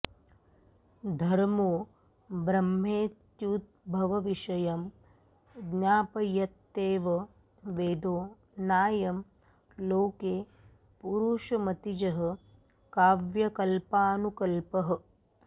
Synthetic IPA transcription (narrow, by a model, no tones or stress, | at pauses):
d̪ʱɐɾmoː | bɾɐmɦeːt̪juːt̪̚bʱɐʋɐʋiʃɐjɐm | ɡnaːpɐjɐt̪ːeːʋɐ | ʋeːd̪oː | naːjɐm | loːkeː | puɾuːʃɐmɐt̪id͡ʒɐɦɐ̆ | kaːʋjɐkɐlpaːnukɐlpɐɦɐ̆